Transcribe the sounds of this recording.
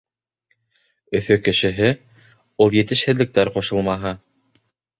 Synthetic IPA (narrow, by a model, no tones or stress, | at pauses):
ɵ̆fɵkɘ̆ʃɘ̆ɦɘ | ulˠjɘ̆t̪ɘ̆ʃhɘ̆ðlɘ̆k̚t̪æɾqŏʃɤ̆lˠmɑɦɤ